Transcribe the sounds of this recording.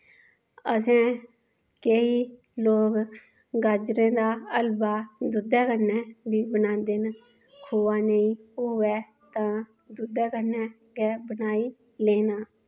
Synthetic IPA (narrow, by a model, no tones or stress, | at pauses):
əsɛ̃ː | keiː | loːk | ɡaːd͡ʒɾẽːd̪aːəlbaːd̪ʊd̪ɛːkənɛːbiːbənãːnd̪eːn | kʰoːaːneĩːʊːʋɛː | t̪ãː | d̪ʊd̪ɛːkənɛː | ɡɛːbənaːiː | leːnaː